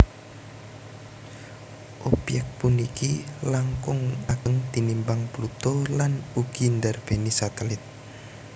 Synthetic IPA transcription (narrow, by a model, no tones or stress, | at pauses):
ʔɔpjɛk̚t̪̚punikilaŋkʊŋaɡ̥əŋd̪̥inimbaŋplut̪olanuɡ̥ind̪arb̥e̤nisat̪əlɪt̪̚